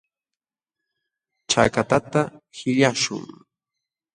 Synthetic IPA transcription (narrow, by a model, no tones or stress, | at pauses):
t͡ʃakat̪at̪ahɪʎaʃʊ̰ŋ